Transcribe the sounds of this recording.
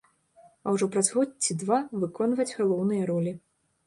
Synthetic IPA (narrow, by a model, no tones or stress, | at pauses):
ɐwʐɔpɾɐzɣɔtt͡sʲid̪vavɨkɔnvɐd͡zʲɣalˠɔwnɨjɐɾɔlʲi